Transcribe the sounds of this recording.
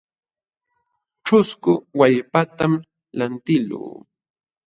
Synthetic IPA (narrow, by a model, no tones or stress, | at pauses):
ʈ͡ʂʊskʊwaʎpat̪am | lant̪ɪlṵː